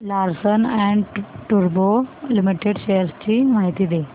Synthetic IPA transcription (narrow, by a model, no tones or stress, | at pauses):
laɾsənɛ̃ɳʈuɾbolimiʈeɽɕejəɾst͡ɕiːmaɦit̪iːd̪e